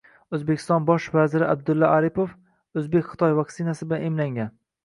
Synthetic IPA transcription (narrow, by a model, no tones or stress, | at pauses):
ɵzbekʲʰɪst̪ɒnbɒʃvazɪɾɪab̚d̪ʊlˠːaaɾipof | ɵzbekʲχɨ̥t̪ʰɒjvɑksɪnasɪblanemlaŋʲan